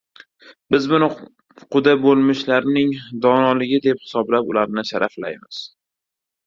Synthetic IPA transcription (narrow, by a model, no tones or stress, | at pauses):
bɪzbʊn | qʊd̪abolˠmɪʃlaɾnɪŋd̪ɒnɒlɪɡʲɪd̪e̞phɪ̥sɒblapʊlaɾnɪʃaɾʔafla̰jmɪz̥